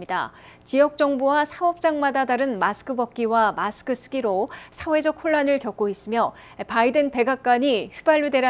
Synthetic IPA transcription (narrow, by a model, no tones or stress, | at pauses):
ida̰t͡ɕiʌk̚t͡ɕ͈ʌŋbuwasʰaʌp̚t͡ɕ͈aŋmadadaɾɯnmasʰɯ̥kʰɯbʌp̚k͈iwamasʰɯ̥kʰɯs͈ʰɯ̥ɡiɾosʰawe̞d͡ʑʌk̚ʰhoɭːanɯɭkjʌk̚k͈ois͈ɯmjʌ | paidɯnpe̞ɡak̚k͈aɲiɸɥubaʎːude̞ɾa